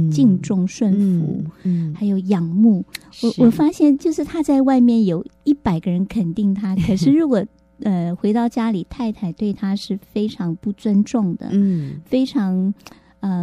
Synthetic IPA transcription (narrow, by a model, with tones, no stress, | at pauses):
t͡ɕi˥˧ŋʈ͡ʂʊ˥˧ŋʂwə˥˩nfṵ˧˥xa˧˥ɪjo˨˩ʊjɑ˨˩ŋmu˥˩ | wɔ˨˩wɔ˨˩fa˥ɕjɛ˥˧nt͡ɕjo˥˧ʊʂɻ̩˥˧˩t̪ʰa˥t͡sa˥˧ɪwa˥˧ɪmjɛ˥˩njo˨˩ʊi˥˩pa˨˩ɪɡə˦ɻə˧˥nkʰə˨˩nt̪i˥˩ŋt̪ʰa˥kʰɤ˨˩ʂɻ̩˥˩ɻu˧˥kwɔ˨˩ | ə˧xwe˧˥ɪt̪ɑ˥˩ʊt͡ɕja˥li˨˩t̪ʰa˥˧ɪt̪ʰa˥˩ɪt̪we˥˩ɪt̪ʰa˥ʂɻ̩˥˩fe˥ɪʈ͡ʂʰɑ˧˥ŋpu˥˩t͡swə˥nʈ͡ʂʊ˥˩ŋd̪ə̰˩fe˥ɪʈ͡ʂʰɑ˧˥ŋ | ə˧˩